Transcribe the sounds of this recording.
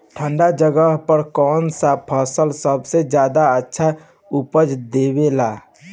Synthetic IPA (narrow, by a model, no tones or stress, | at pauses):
ʈʰə̃ɳɖad͡ʒəɡəɦpəɾkɔːnsapʰəsəlsəbsed͡ʒjaːd̪aətːʃʰa | upəd͡ʒd̪eːbelaː